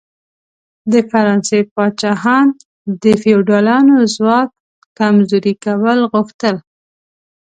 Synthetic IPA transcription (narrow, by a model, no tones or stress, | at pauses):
d̪əfaɾɑnsepɑt͡ʃɑhɑn | d̪əfewɖɑlɑnozwɑk̚ | kamzoɾikawəlɣuxt̪əl